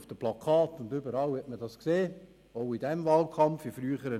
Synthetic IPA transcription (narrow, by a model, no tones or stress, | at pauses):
fd̥əplɑkʰɑːtʊndʏbəɾɑlhɛtmədɑskseː | oʊidɛmvɑːlkʰɑmfifɾyːəχəɾə